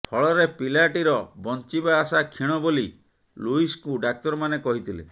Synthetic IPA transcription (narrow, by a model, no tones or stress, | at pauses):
pʰɔɭɔɾepilaʈiɾɔbɔnt͡ʃibaːsakʰiɽ̃ɔboli | luiskuɖak̚t̪ɔɾmanekɔɦit̪ʰilḛ